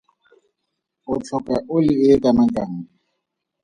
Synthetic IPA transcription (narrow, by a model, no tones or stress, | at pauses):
ʊt͡ɬʰɔkʼɛʔʊlɪɪkʼanakʼaŋ̩